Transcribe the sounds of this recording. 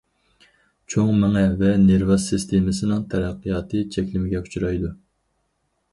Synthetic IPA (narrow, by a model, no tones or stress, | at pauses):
t͡ʃʰoŋmɪŋɛvɛneɾvɑsɨst̪ʰemɪsɪnɪŋt̪ʰɛɾæqːijɑːt̪ʰɨt͡ʃʰɛkʲlɪmɪɡʲɛkʰu̥t͡ʃʰuɾɑjd̪u